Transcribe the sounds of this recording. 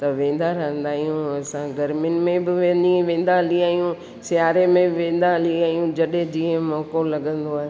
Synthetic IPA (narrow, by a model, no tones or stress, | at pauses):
t̪ɐʋẽːn̆d̪aɾɐɦə̃nd̪aːɦijũɐsãɡɐɾmjʊnɪ̆mẽbɪʋẽːdĩʋẽːn̆d̪aliaːɦijũ | sɪjaːɾemẽʋẽːn̆d̪aliaːɦijũd͡ʑɐɗɦẽd͡ʑiːə̃mɔːkolɐɠə̃nd̪oaːɦe